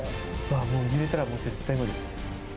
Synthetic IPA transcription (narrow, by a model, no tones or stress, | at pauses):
ɯamo̞ːiɡiɾe̞t̪aɾamo̞ːze̞t̪ːaiɡod̪e